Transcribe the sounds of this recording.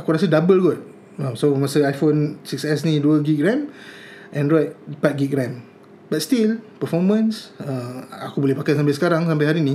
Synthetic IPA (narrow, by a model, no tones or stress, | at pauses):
akuɾas̬ədabəlɡɔt̚ | ãmsomasəajfonsiksɛs̬nĩduəlɡik̚ɡɹɛ̃m | ʔɛ̃nɹɔjt̚pat̚ɡik̚ɡɾɛ̃m | bat̚st̪ilpəfɔmə̃nsaakubolɛhpakatsamp̬ajsə̥kaɾaŋsampajɦaɾinĩ